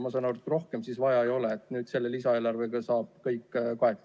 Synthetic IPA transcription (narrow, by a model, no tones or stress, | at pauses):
mɑsɑnort̪ːro̞hkemsisvɑjɑejo̞leːt̪ːˑnyːd̪̥se̞lːe̞lisɑe̞ːlɑrveɡ̥ɑsɑːb̥̚kɤjkːkoet̪ː